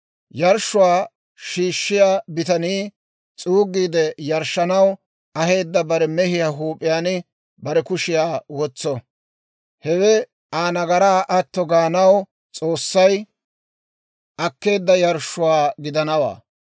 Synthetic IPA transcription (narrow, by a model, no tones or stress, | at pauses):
jɐɾʃːʊwaː | ʃiːʃːɪjaːbɪt̪ɐniː | t͡sʼuːɡːiːd̪ɛjɐɾʃːɐnɐw | ɐɦe̞ːd̪ːɐbɐɾɛmɛhɪjaːɦuːpʼːɪjaːnɪ | bɐɾɛkʊʃɪjaːwɔt͡sːɔ | hɛwɛ | aːnɐɡɐɾaːʔɐt̪ːɔɡaːnɐw | t͡sʼo̞ːsːɐj | ʔɐkːe̞ːd̪ːɐjɐɾʃːʊwaːɡɪd̪ɐnɐwa̰ː